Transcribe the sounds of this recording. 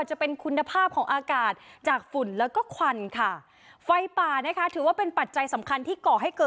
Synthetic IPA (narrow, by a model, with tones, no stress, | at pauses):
t͡ɕa˨˩pe˧nkʰu˧nːa˧pʰaː˥˩p̚kʰɔː˩˦ŋʔaː˧kaː˨˩t̪̚t͡ɕaː˨˩k̚fu˨˩˦nlɛː˦˥wkɔː˥˩kʰwa˧nkʰa˥˩ | fa˧jpaː˨˩na˦˥kʰa˦˥t̪ʰɯː˩˦waː˥˩pe˧npa˨˩t̪̚t͡ɕa˧jsa˩˦mkʰa˧nt̪ʰiː˥˩kɔː˨˩ɦa˥˩jkɤː˨˩